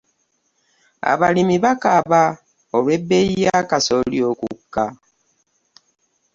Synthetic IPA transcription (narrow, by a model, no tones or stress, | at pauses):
a̰βalimiβakaβa | olwebeijakasoljokṵkːa